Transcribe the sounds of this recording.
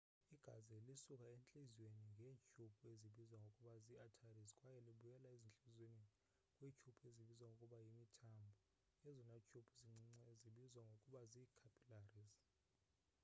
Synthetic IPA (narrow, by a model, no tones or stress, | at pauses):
iɡ̥ʱazɛlisukʼaent͡ɬʼiziweniŋɡʱeːt͡ʃʼʰupʰʼueziɓizwaŋɡʱokʼuɓaziatʰarizkʼwajɛliɓujɛlaezint͡ɬʼuzweni | kʼwit͡ʃʰupʰʼueziɓizwaŋʱɡokʼuɓajimitʰambʱɔ | jɛzɔnat͡ʃʼʰupʰuziŋ͡ǀŋ͡ǀziɓizwaŋɡʱokʼuɓazikʰapʰʼilariz